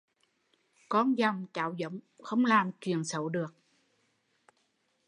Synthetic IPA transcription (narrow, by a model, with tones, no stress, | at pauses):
kɔ˧nza˨˩wŋ͡mt͡ɕaː˨˦wzə̰˧˨˦wŋ͡mxə˧wŋ͡mlaː˨˩mki˨˩ənsə˧˦wɗɨ˨˩ək̚